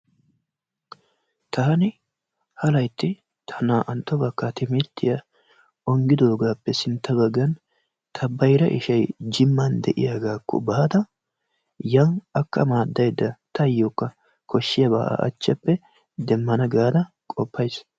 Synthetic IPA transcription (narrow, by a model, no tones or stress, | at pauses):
t̪ɐhɐnɪ | hɐlɐjt̪ːɪ | t̪ʰɐnaːʔɐnt̪ːɔbɐkːɐt̪ɪmɪɾt̪ːɪjɐ | ɔŋɡɪd̪oːɡaːpːɛsɪnt̪ːɐbɐɡːɐn | t̪ʰɐbɐjɾɐʔɪ̰ʃɐjd͡ʒɪmːɐnd̪ɛʔɪ̰jaɡaːkːɔ̰bɐɐd̪ɐ | jɐnɐkːɐmaːd̪ːɐjd̪ːɐt̪ʰɐjːokːɐ | kʰɔʃːɪjɐba̰ːʔa̰ʔɐ̰t͡ʃːɐpːɛ | d̪ɛmːɐnɐɡaːd̪ɐ | kʼɔpːɐjs